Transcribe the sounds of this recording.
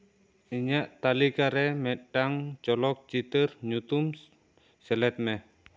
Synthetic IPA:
iɲaʔt̪alikaɾɛmɛɖaŋt͡ʃɔlɔk̚t͡ʃit̪ərɲut̪um | sɛlɛt̪̚mɛ

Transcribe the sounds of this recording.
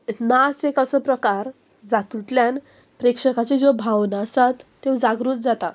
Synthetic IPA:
enat͡sekəsəpɾəkaɾ | d͡zat̪ut̪ljan | pɾekʂəkat͡sed͡zobʱawnaəsat̪ːewd͡zaɡɾuːt̪̚d͡zat̪a

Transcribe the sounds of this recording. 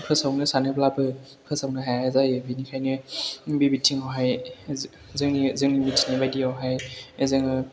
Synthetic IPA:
pʰɯsawnɯsanɯbʰlabɯ | pʰɯsawnɯɦajezajɯbinikʰajnɯbibitʰiŋawɦaj | zɯŋnizɯŋnimitʰinibajdiawɦajezɯŋɯ

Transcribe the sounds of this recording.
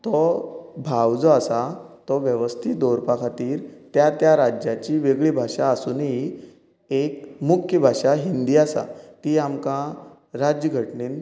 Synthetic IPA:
t̪ɔbʱawd͡zɔasat̪ɔʋjəʋəst̪ʰit̪̚d̪oɾpakʰat̪iːɾt̪jat̪jaɾad͡ʑjat͡ɕiʋeɡɭibʱaʂaːsuːni | ekmukʰjəbʱaʂaɦind̪iːasa̰t̪iːamkã | ɾad͡ʑjəɡʱəʈɳeːn

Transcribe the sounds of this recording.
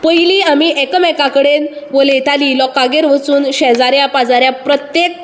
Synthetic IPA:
pəjliːamiʔɛkəmɛkakəɽenʋəlet̪ʰaliːlɔkːaɡeɾʋət͡suːnɕɛd͡zaɾjapad͡zaɾjapɾət̪jek̚

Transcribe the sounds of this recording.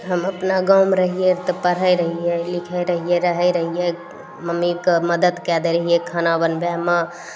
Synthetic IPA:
ɦəməpnaɡawmɾəɦijet̪ɔpəɾɦəjɾəɦijelikʰəɾəɦijeɾəɦəjɾəɦije | məmikməd̪əd̪kɛd̪eɾəɦijekʰanabənbamə

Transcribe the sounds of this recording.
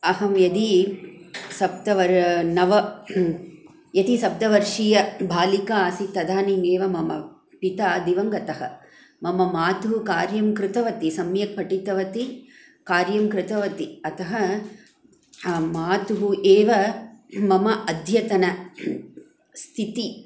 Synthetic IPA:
ɐɦɐmjɐd̪i | sɐb̚d̪ɐʋɐɾnɐʋɐ | jɐd̪isɐb̚d̪ɐʋɐɾʂijɐbʱaːlikaːsit̪ɐd̪aːnimeːʋɐmɐmɐ | pit̪aːd̪iʋɐŋɡɐt̪ɐɦɐ̰ | mɐmɐmaːt̪uɦukaːɾjɐmkɾɪt̪ɐʋɐt̪isɐmjɐk̚pɐʈit̪ɐʋɐt̪i | kaːɾjɐmkɾɪt̪ɐʋɐt̪iɐt̪ɐɦɐ | maːt̪uɦuʔeːʋɐmɐmɐʔɐd̪ʱjɐt̪ɐnɐ | st̪ʰit̪i

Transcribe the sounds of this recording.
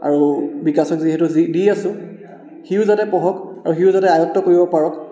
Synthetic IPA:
a̰ɹubikasɔkziɦɛtʊzidiasʊ̃ | xiʊzatɛpɔɦɔkaɹuxiʊzatɛajɔk̚tɔkoɹibɔpaɹɔk

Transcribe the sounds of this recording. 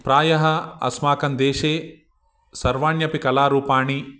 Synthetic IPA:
pɾaːjɐɦɐɐ̰smaːkɐnd̪eːʃeː | sɐɾʋaːɳjɐpikɐlaːɾuːpaːɳi

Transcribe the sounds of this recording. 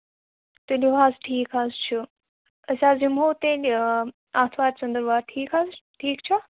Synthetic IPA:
t̪elʲiʋaːzʈʰiːkaːzt͡ʃʰu | ɐsʲaːzimɦoːt̪ẽn | aːt̪ʰʋaːɾt͡ʃɐ̃nd̪əɾʋaːɾʈʰiːkaːzʈʰiːkt͡ʃʰa

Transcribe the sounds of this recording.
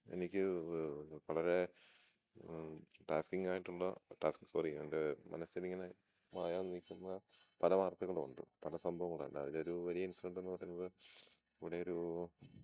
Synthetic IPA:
e̞̰nikʲːɨ | ʋɐɭɐɾe̞ | ʈaːskiŋɡaːjiʈːuɭːɐ̰ʈaːskikurijaɳɖemɐ̰nɐsiliŋːɐne | maːjaːnikʲːunːɐ | pɐlɐʋaːrt̪ːuɣɐɭʋɐ̰ɳd̪ṵpɐlɐsɐmbʱɐʋɐŋːɐɭa̰ɳɖɐ̰ɐ̰ðilo̞ɾuʋɐɾijɐinsɐlɐɳɖe̞nːɨpɐrɐjunːɐðɨ | iʋiɽeo̞ɾu

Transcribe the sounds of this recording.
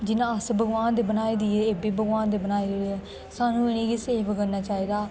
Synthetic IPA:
d͡ʒɪnãːəsbəɡʋaːnd̪eːbənaːiːd̪iːɦɛːeːbiːbəɡʋaːnd̪eːbənaːid̪eeɛː | saːnũːɪnĩːɡiːseːbɡənːaːt͡ʃaːiːd̪aː

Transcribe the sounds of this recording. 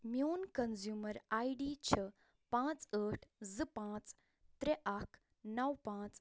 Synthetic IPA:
mjoːnkənzjuːməɾaiɖiːt͡ɕʰə | pãt͡səʈʰzɨpãt͡s | t̪ɾeʔakʰ | nɐwpãːt͡s

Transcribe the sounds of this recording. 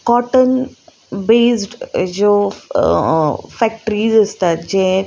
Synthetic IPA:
kɔːʈən | beːsɖd͡ʒoː | fɛk̚ʈəɾiːzəst̪ad͡ʒẽː

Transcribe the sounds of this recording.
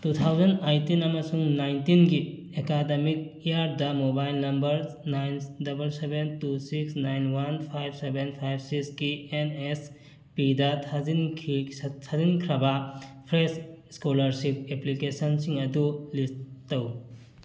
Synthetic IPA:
tut̪ʰawzɐnajtinɐmɐsuŋnajntinɡi | ekademik̚iaɾdɐmobajlnɐmbɐɾnajndɐbɐlsebentusiksnajnwanpʰajb̚sebenpʰajb̚sikskienes | pidɐtʰazinkʰitʰazinkʰɾɐbɐpʰɾesskolɐɾsip̚eplikesɐnsiŋɐdulisttɐw

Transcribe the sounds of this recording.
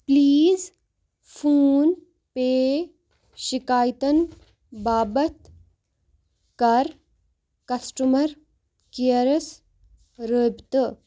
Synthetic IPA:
pliːz | fuːn | peː | ʃikaːjt̪ɐn | baːbɐt̪ | kɐɾ | kɐsʈumɐɾ | kijɐɾɐs | ɾəbt̪ɨ

